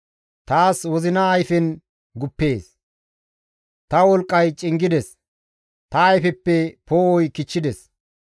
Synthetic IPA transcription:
t̪aːswɔzɪnɐːjfɛn | ɡʊpːe̞ːs | t̪ɐwɔlkʼːɐjt͡ʃʼɪŋɡɪd̪ɛs | t̪ɐːjfɛpːɛpoːɔjkɪt͡ʃːɪd̪ɛs

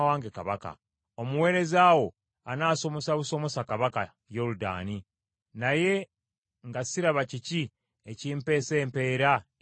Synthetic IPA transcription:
waːŋɡekaβaka̰ | omuwe̞ːɾe̞zaːwo̞ | anaːso̞mo̞saβuso̞mo̞sakaβaka | jo̞luda̰ːni | naje̞ | ŋɡasiɾaβacici | eciːmpe̞ːse̞ːmpe̞ːɾa

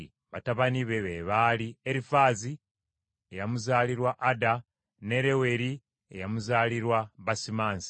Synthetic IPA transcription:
βataβaniβe̞βeβaːlieɾifaːzi | ejamuzaːliɾwaʔːda | ne̞ɾe̞we̞ɾi | ḛjamuzaːliɾwaβasimaːnsi̥

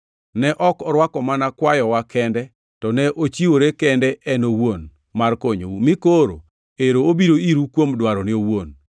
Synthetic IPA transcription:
nɛʔɔkɔɾwakɔmanakwajɔwakɛndɛ | tɔnɛʔot͡ʃiwoɾekɛndɛʔɛnowon | markoɲo̰umɪkoɾo̰ | eɾoobiɾoiɾukwomdwaɾɔnɪowon

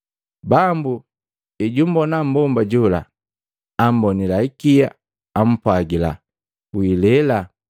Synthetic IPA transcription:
bambu | iɟumbɔnam̩bɔmbaɟula̰ː | m̩bɔnilaikijaː | m̩pwaɡila̰ | wilɛla

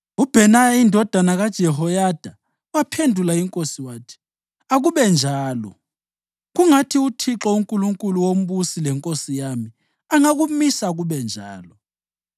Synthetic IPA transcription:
ub̥ʱɛnajaindʱɔd̥ʱanaɣad̥ʒ̥ʱɛɦɔjad̥ʱa | wapʰendʱulaiŋkʼosiwaːtʰi̥ | aɣuβɛnd͡ʒʱaːlɔ̰ | ɣuŋatʰiutʰiǁɔuŋkʼuluŋkʼuluwom̩βusilɛŋkʼosijami | aŋaɣumisaɣuβɛnd͡ʒʱa̰ːlɔ

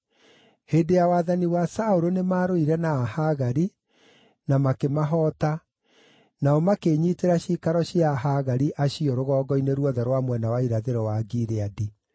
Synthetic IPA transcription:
heːdejawaːðaniwasaoɾonemaɾoiɾɛnaːhaɣaɾi | namakemaɦɔːta | naɔmakeːɲiteɾaɕikaɾɔɕiaɦaɣaɾiʔaɕiɔɾoɣɔːɡɔineɾwɔðɛɾwamwɛnawaiɾaðeɾɔwaɡiɾeadi

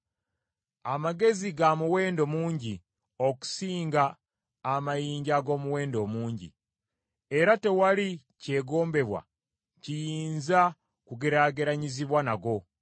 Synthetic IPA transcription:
amaɡe̞ziɡamuwe̞ːndo̞muːɲɟi | o̞ku̥siːŋɡaː | majiːɲɟaɡo̞ːmuwe̞ːndo̞muːɲɟḭ | e̞ɾate̞wali | ce̞ɡo̞ːmbe̞βwa̰ | cijiːnza | kuɡeɾaɡeɾaɲiziβwanaɡo̞

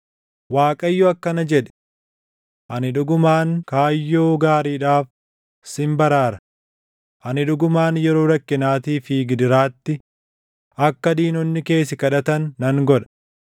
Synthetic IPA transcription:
waːkʼɐjːʊɐkːɐnɐd͡ʒɛᶑɛ̥ | ʔɐnɪᶑʊɡʊmaːŋkaːjːo̞ːɡaːɾiːᶑaːf | sɪmbɐɾaːɾɐ | ʔɐnɪᶑʊɡʊmaːnjɛɾo̞ːɾɐkːɪnaːt̪iːfiːɡɪd̪ɪɾaːt̪ːɪ | ʔɐkːɐd̪iːnɔnːɪke̞ːsɪkɐᶑɐt̪ɐnːɐŋɡɔᶑɐ̥

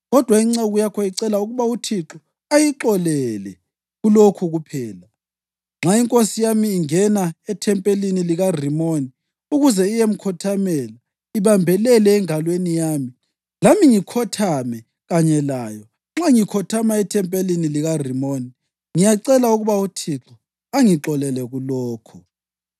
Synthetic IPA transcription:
ɣɔd̥ʱwaiŋ͡ǁɛɣujakʰɔjiǀɛlauɣuβautʰiǁɔ | ajiǁɔlɛlɛ̰ | ɣulokʰuɣupʰɛːla | ŋ͡ǁʱaiŋkʼosijamiːŋɛnaɛtʰɛmpʼeliniliɣarimoni | uɣuzɛijem̩kʰɔtʰamɛla | iβambʱɛlɛlɛːŋalwenijaːmi | lamiŋikʰɔtʰamɛ | ɣaɲɛlaːjɔ | ŋ͡ǁaŋikʰɔtʰamaɛtʰɛmpʼeliniliɣarimoni | ŋijaǀɛlauɣuβautʰiǁɔ | aŋiǁɔlɛlɛɣulɔːkʰɔ

